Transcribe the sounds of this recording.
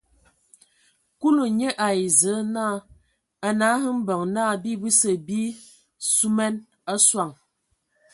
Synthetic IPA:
ku˦lu˨ɲe˦ʔa˨i˨zə˨˦naː˦˨ | a˨na˨˦ɦɨ˦m̩˦bə˨ŋnaː˦˨bi˦bi˦sə˨bi˦ | su˦mɛ˦n | a˦swa˨ŋ

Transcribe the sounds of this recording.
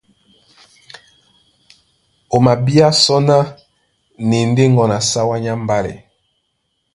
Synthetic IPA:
o˨ma˨bi˦a˦sɔ˦na˦ | ne˨n˦de˦ŋɡɔ˨na˨sa˦wa˦ɲa˦m˦ba˦lɛ̰˨

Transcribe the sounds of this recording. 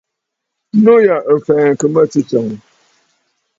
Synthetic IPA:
no˦ja˨ʔə˨fɛː˨ŋ̩˨kɨ˨mə˦ti˦t͡ʃɔ˨ŋ˨

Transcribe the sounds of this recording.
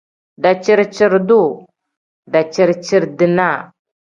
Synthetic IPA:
da˨t͡ʃi˦ɾt͡ʃi˨ɾdu˦˨ | da˨t͡ʃi˦˨ɾt͡ʃi˦ɾdi˨na˦˨

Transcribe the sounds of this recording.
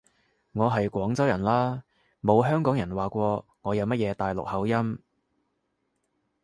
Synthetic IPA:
ŋɔː˨˧ɦɐ˨jkʷɔː˨˥ŋt͡sɐ˥wjɐ˨˩nlaː˥ | mo˨˧wɦœː˥ŋkɔː˨˥ŋjɐ˨˩nwaː˨kʷɔː˧ŋɔː˨˧jɐ˨˧wmɐ˥t̚jɛː˨˧t̪aː˨jlʊ̰˨k̚hɐ˨˥wjɐ˥m

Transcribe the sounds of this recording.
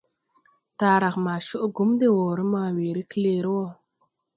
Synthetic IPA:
taː˨ɾa˨kma˨ʃo˦ʔɡu˨˦mde˦wo˨ɾə˦maː˨weː˨ɾi˦kle˨ɾi˦wo˦˨

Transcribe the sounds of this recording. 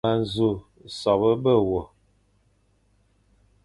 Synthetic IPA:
a˨n̩˨zu˦˨ | sɔ˨bə˦bə˦wɔ˨

